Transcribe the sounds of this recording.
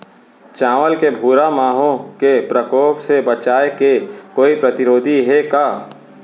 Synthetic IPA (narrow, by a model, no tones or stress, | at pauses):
t͡ʃãːʋəlkebʱuːɾamaːɦõkepɾəkoːpsebət͡ʃaːekekoːipɾɐt̪ɪɾoːd̪ʱiɦekaː